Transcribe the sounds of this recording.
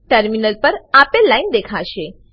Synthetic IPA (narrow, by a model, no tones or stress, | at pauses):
ʈəɾminəlpəɾapelaind̪ekʰaɕe